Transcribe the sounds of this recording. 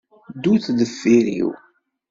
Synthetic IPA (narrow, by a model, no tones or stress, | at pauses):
d̪uθðəfːiɾḭw